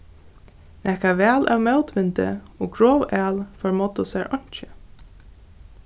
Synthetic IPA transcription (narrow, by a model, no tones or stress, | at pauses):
nɛhkavɛːlʔa̰wmɛlt̪ʋɪnt̪ə̰ɔːɡɹoːwæːlfɔɹmɔt̪ʊsɛːɹʔɔɲ̥t͡ʃɪ